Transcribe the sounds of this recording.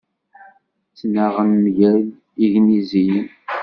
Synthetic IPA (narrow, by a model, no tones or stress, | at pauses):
t͡sːnaʁənmʝæl | iʝnizijən